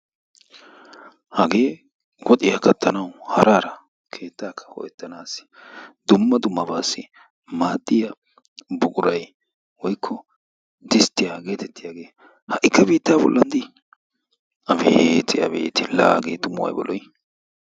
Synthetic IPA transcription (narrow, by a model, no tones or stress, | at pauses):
hɐɡe̞ː | wɔt̪ʼɪjɐkɐt̪ʰːɐnɐwhɐɾʔaːɾɐ | kʰe̞ːt̪ːaːkʰːɐ̥hɔ̰ʔɛt̪ːɐnaːsɪ̥d̪ʊmːɐd̪ʊmːɐbaːsːɪ | maːd̪ːɪjɐ | bʊkʼʊɾɐj | wɔjkʰːɔ | d̪ɪst̪ːɪjaɡe̞ːt̪ɛt̪ːɪjaːɡe̞ː | hɐʔɪkːɐbiːt̪ːaːbɔ̰lːɐnd̪ɪ | ɐbet̪ʰɪɐ̰bḛːt̪ɪla̰ːɡḛːt̪ʊmʊwɐ̰jbɔ̰lʔɔj